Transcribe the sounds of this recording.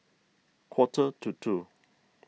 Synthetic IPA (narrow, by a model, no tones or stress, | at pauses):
kʰwɔtʰətʰutʰu